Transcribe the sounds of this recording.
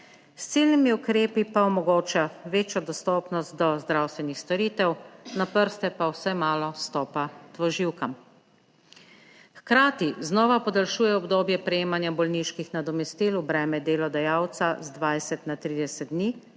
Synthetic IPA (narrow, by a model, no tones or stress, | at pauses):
st̪silnimiukɾeːpipaɔmɔɡoːt͡ʃaʋeːt͡ʃjɔd̪ɔst̪ɔːpnɔst̪̚d̪ɔzd̪ɾawst̪ʋɛnixst̪ɔɾit̪ɛwnapəɾst̪ɛpawsajmaːlɔst̪ɔːpat̪ʋɔʒiwkam | xkɾaːt̪iznɔːʋapɔd̪alʃuːjɛɔbd̪oːbjɛpɾɛjeːmanjabɔlniʃkixnad̪ɔmɛst̪iːlubɾɛːmɛd̪eːlɔd̪ajaːwt̪sazd̪ʋajsɛt̪nat̪ɾiːd̪ɛsɛd̪̚d̪niː